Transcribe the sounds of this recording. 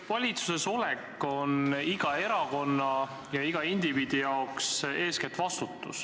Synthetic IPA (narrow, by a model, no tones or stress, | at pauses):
vɑlʲit̪su̥se̞so̞lɛkːˑo̞niɡ̥ɑe̞ɾɑko̞nːɑ | jɑiɡ̥ɑind̪̥iviːd̪ijɑokse̞ːsket̪ːˑvɑst̪ut̪ˑːus